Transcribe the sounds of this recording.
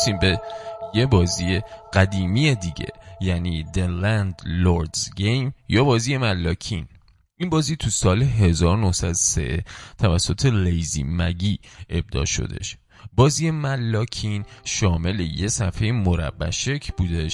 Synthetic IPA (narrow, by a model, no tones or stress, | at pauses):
siːmbeje̞bɒːziːjeɡ̥æd̪iːmijed̪iːɟe̞̰jæniːd̪elænd̪loɾd̪ɡejmjɒːbɒːziːjemælːɒːcʰin | ʔinbɒːziːt̪ʰusɒːleɦe̞zɒːɾonohsæd̪osḛʔt̪ʰævæsːot̪ʰe̞lejzḭːmæɡiːʔe̞b̚d̪ɒ̰ːʃo̰d̪e̞̰ʃ | bɒːziːjemælːɒːcʰinʃɒːme̞lejesæfejemoɾæ̰bːæ̰ʃecʰbuːd̪eʃ